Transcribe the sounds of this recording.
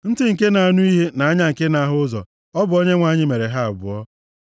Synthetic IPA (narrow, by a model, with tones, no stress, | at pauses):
n̩˦dɪ˦ŋ̩˨ke˦na˨a˨nʊ˦i˦ɦe˦na˨a˦ɲa˦ŋ̩˨ke˦na˦ɦʊ˦zɔ̰˨ | ɔ˦bʊ˨o˦ɲe˦ŋʷa˨˦ɲɪ˦me˨ɾe˨ɦa˦a˨bʊ̰˨ɔ˦